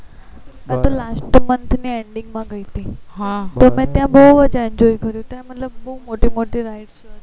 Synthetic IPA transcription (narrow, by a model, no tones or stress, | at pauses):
ẽt̪olasʈmənt̪ʰnieɳɖɪŋɡmãɡəit̪iɦat̪omɛ̃t̪jãbəuəd͡ʒɛnd͡ʒojkəɾjũt̪ãmət̪ləbːəumoʈimoʈiɾajʈt͡ʃʰe